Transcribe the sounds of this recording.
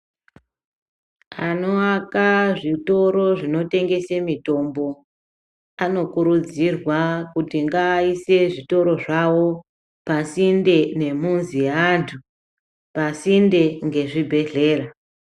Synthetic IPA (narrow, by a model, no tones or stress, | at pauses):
ano̞akaʐito̞ɾo̞ʐino̞te̞ŋɡe̞semito̞mbo̞ | ano̞kuɾud͡zirwakutiŋɡaːise̞ʐito̞ɾo̞ʐawo̞ | pasinde̞ne̞munziantʰu | pasinde̞ŋɡe̞ʐibʱe̞ɮe̞ːra